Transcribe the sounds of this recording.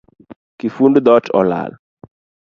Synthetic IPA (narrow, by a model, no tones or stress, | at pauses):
kifundd̪ɔtɔ̰la̰l